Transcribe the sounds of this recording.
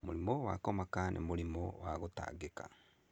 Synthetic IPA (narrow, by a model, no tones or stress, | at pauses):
moɾimɔwakɔmakanʔḛmoɾimɔwaɣota̰ːɡeka̰